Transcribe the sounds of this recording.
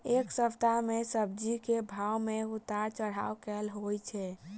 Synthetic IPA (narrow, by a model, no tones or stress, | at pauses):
eksəpʰt̪amesəb̚d͡ʒikebʱawmeut̪aɾt͡ʃəɽ̤a̰wkɛlɦojt͡ʃʰɛ